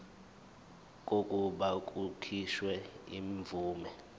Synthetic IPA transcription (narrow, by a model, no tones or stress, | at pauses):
k̬ʼokʼuɓak̬ʼukʰiʃwɛiɱvʱuːmɛ